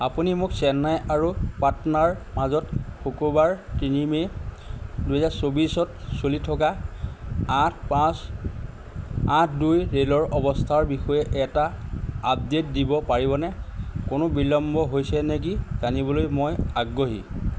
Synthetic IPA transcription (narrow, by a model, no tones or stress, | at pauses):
apunimʊksɛnajaɹupatɔnaɹmazɔtxokubaɹtinime | duɦɛzaɹsobisɔtsolitʰɔka | atʰpãs | ãtʰdujɹelɔɹʔɔbɔstʰaɹbixɔjɛʔɛtaːb̚det̚dibɔpaɹibɔnɛkonobilɔmbɔɦojsɛnɛk̬izanibɔlojmojaɡɹoɦḭ